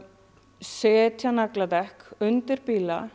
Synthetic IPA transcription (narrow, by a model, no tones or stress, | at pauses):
sɛːt̪ʰjanaklat̪ɛhkʏnt̪ɪɾpiːla̰